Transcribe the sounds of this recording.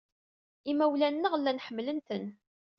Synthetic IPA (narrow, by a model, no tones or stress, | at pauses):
imæwlænːəʁlːænħəmːlənt̪ən